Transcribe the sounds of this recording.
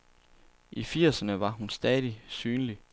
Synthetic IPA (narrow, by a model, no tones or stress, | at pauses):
ʔifiɐ̰sənəʋɑ̈ɦunsd̥ɛːðˠisyːnli